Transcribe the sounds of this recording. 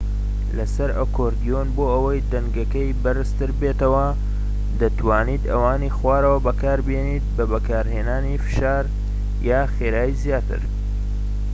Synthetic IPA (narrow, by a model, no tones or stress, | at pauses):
lɐsɐɾɐ̰koɾd̪ijonboːɐwɐjd̪ɐŋɡɐkɐjbɐɾɨst̪ɨɾbeːt̪ɐwɐ | d̪ɐt̪waːniːd̪ɐ̰waːniːxwaːɾɐwɐbɐkaːɾbjeniːt̪̚bɐbɐkaːɾheːnaːnifɨ̥ʃaːɾ | jaːxeːɾaːjizijaːt̪ɨ̰ɾ